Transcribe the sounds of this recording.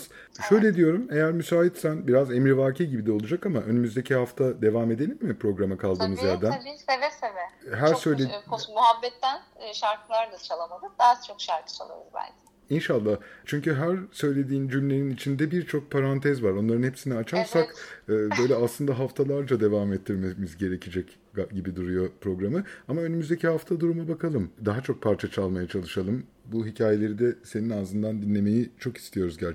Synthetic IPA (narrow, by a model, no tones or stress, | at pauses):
z̥ | ʃø̞jlʲe̞d̪ijo̞ɾume̞jæɾmysaːit̪sænbiɾaze̞mɾivaːɾcʰiɟibid̪ɛo̞lˠud͡ʒakamaʔø̞nymyzd̪e̞cʰihaft̪ʰad̪e̞vaːme̞d̪e̞lʲimːɪpɾo̞ɡɾamakʰalˠd̪ɯːmɯzjæɾd̪ænsevɛsevɛɦæɾsø̞jlʲekosmuɦabːɛt̪ːænʃaɾkɯlˠaɾnɯt͡ʃʰalˠamad̪ˠɯd̪aːt͡ʃʰo̞kʃaɾkʰɯ̥t͡ʃʰalˠa̰ɾuzbæ̰lʲcʰ | inʃalˠːaht͡ʃʰyɲcyɦæɾsø̞jlʲe̞d̪iːnd͡ʒymlʲe̞ɾinit͡ʃʰind̪ɛbiɾt͡ʃʰo̞k̚pʰaɾant̪ʰɛzvaɾo̞nlˠaɾɯnhepsiniat͡ʃʰaɾsakɯːbø̞jlʲɛaslɯnd̪aɦaft̪ʰalˠaɾd͡ʒad̪e̞vaːmɛt̪ʰːiɾmemizɟe̞ɾe̞cʰid͡ʒɛc | ɟibid̪uɾujo̞pɾo̞ɡɾamɯamaønymyzd̪ecʰihaft̪ʰad̪uɾumabakʰalˠɯmd̪aɦat͡ʃʰo̞k̚pʰaɾt͡ʃʰat͡ʃʰalˠmajat͡ʃʰalˠɯʃalˠɯm | buɦicʰaːje̞lʲe̞ɾid̪ɛseninazɯnd̪and̪inlʲːe̞me̞jit͡ʃʰo̞ki̥st̪ʰijo̞ɾuzɟæɾ